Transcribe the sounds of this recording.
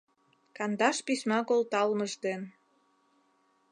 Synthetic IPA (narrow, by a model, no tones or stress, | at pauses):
kɑnd̪ɑʃpisʲmɑkolt̪ɑlməʒd̪en